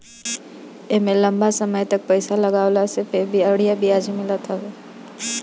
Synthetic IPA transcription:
emẽlɐ̃mbasɐməjt̪ɐk̚pəɪsalɐɡaːʊlasepʰɪɾbʱiəɽijabʱiaːd͡ʒimɪlat̪ʰaɛː

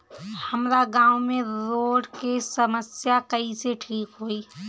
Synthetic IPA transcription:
həmɾaɡãːwmẽɾoːɖkesəməsjakəiseʈʰiːkɦoːi

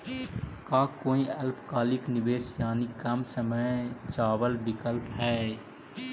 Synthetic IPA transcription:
kaːkoːiɐlpkaːlɪknɪʋeːsjaːnikɐmsəməjt͡ʃaːwəlbɪkəlpɦɛː

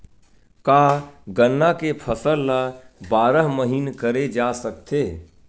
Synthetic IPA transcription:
kaɡənːakepʰəsəlːabaːɾəɦməɦinkəɾed͡ʒasəkt̪e

